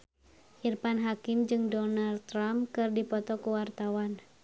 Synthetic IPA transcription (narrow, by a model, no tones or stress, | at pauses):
ʔirpanɦakɪmd͡ʒɨŋdɔnalt̪ːɾamkɨrdipɔt̪ɔkuwart̪awan